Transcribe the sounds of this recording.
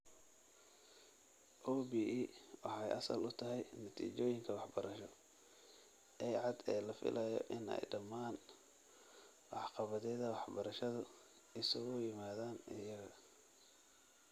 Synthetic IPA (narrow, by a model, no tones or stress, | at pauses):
ʔɔːbiːʔiːwɑħɑjʔɐsɐ̰lʊt̪ʰɐɦɛjnɐt̪ʰḭːt͡ʃɔːjɪŋkʰɐwɑħbɐɾʔɐʃɔ | ʔɛjʕɑd̪ɛːlɐfɪ̰lʔɛjɔ̰ʔɪnɛ̰jɖɐmːaːn | wɑħqɑβɐðɛːðɐwɑħbɐɾɐʃɐðʊ | ɪsɐɣʊjɪmaːðaːnɪjɐɣɐ